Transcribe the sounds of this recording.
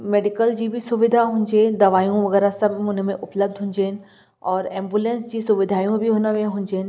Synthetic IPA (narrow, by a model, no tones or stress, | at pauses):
meːɖikəld͡ʑibʱisʊʋɪd̪ʱaɦũɲd͡ʑed̪ɐʋaːjũʋɐɣɛːɾasɐbʱʊnmẽʔʊpləb̚d̪ʱɦũːɲd͡ʑeːn | ɔːɾẽːmbulẽːnsd͡ʑiːsʊʋɪd̪ʱaːjũbʱiɦoːnəʋẽɦũɲd͡ʑeːn